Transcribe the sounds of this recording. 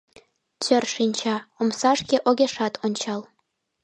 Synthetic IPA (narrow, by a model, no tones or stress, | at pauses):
t͡ɕø̆rʂinʲt͡ɕɑomsɑʂkʲeʔoɡʲeʂɑt̪ʰonʲt͡ɕɑlˠ